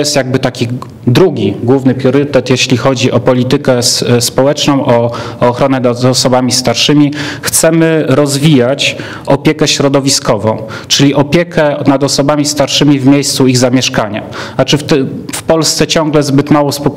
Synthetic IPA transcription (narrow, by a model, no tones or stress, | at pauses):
jɛst̪jaɡ̚bɘt̪akʲi | d̪ɾuɡʲiɡwuvnɘpɾʲjɔɾɘt̪ɛt̪jeɕlʲixɔd͡ʑiʔɔpɔlʲit̪ɘkɛspɔwɛt͡ʂnɔ̃w̃ʔɔːxɾɔnɛzɔsɔbamʲist̪aɾʂɘmʲixt̪sɛmɘɾɔzvʲijat͡ɕ | ɔpʲjɛkɛɕɾɔd̪ɔvʲiskɔvɔ̃w̃ | t͡ʂɘlʲiʔɔpʲjɛkʰɛnad̪ɔsɔbamʲist̪aɾʂɘmʲivmʲjejst̪suiɣzamʲjɛʂkaɲa̰at͡ʂɘft̪fpɔlst̪sɛt͡ɕɔ̃ŋ̃ɡlɛzbɘt̪mawɔspɔ